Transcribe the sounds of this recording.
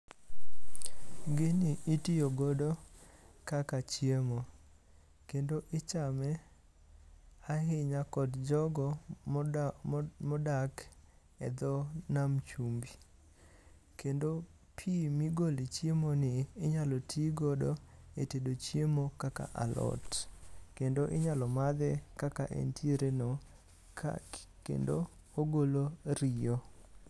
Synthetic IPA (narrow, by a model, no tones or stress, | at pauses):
ɡenɪʔitijoɡodɔ | kakat͡ʃjemo | kendoʔɪt͡ʃamɛ | aɦɪɲakɔdd͡ʒɔɡɔ | mɔdak | ɛ̰d̪ɔnamt͡ʃumbi | kendo | pʰimiɡolit͡ʃjemonɪːɲalɔtʰiɡodɔetedot͡ʃjemokaka̰ʔa̰lɔ̰tkendoʔɪɲalɔmad̪ɛkakaʔḛntʰiɾeno | kḛndo | oɡoloɾijo